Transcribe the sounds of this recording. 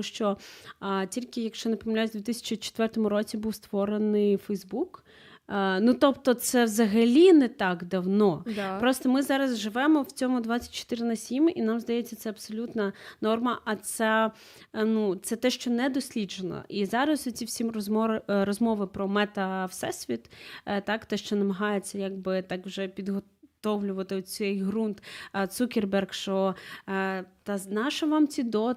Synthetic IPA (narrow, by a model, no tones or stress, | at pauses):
ʃt͡ʃɔ | tʲilʲkɪjɐkʃt͡ʃɔnɐpɔmʲinʲlʲajsʲd̪ʲʋʲit̪ɪsʲɐ̥t͡ʃit͡ʃɪ̥t̪ʋɛrt̪ɔmʊɾɔt͡sʲibuwst̪ʋɔɾenɪjfɛjzbuk | nut̪ɔpt̪ɔt̪sɛʋzɐɦɐlʲinɛt̪ɑɡd̪ɐwnɔpɾɔst̪ɔmɪzɑɾɐzʒɪʋɛmɔwt͡sʲɔmʊd̪ʋat͡sʲːɐ̥tʲt͡ʃːɔ̥t̪ɪɾɪnɐsʲiminamzd̪ɐjɛt͡sʲːɐt̪sɛɐbsɔlʲut̪nɐnɔrmɐʔɐt̪sɛ | nut̪sɛt̪ɛʃt͡ʃɔnɛd̪ɔsʲlʲid͡ʒenɔ̰izɑɾɐsɔt͡sʲiwsʲimrɔzmɔrɔzmɔʋɪpɾɔmɛt̪ɐwsɛsʲʋʲit̪t̪ɑkt̪ɛʃt͡ʃɔnɐmɐɦɑjet͡sʲːɐjaɡ̚bɪt̪ɑkʋʒɛpʲid̪ɦɔ | t̪ɔʋlʲʊʋɐt̪ɪɔt͡sʲɛjɦɾunt̪t̪sukʲerbɛrkʃt͡ʃɔ | t̪ɐznɑʃɐʋɑmt͡sʲid̪ɔ